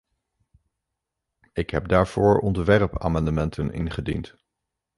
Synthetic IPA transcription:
ɪkɦɛp̚daːɹv̥ʊːɹɔndəʋɛrpa̰ːmɑndəmɛntʰənɪ̰nχədḭnt

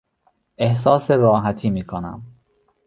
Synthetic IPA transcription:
ʔe̞hsɒːseɾɒːɦæt̪ʰiːmiːkʰonæ̰m

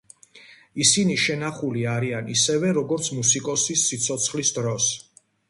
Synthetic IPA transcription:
isiniʃɛnaχuliaɾianisɛvɛɾɔɡɔɾt̪sʰmusikʼɔsisːit̪sʰɔt̪sʰχlisd̪ɾɔs

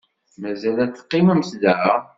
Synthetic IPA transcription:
mæzælæt͡sːə̥qːiməmsd̪əʕa

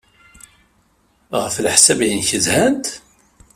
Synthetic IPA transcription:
ʁəflħsæbjinçəzhænt̪

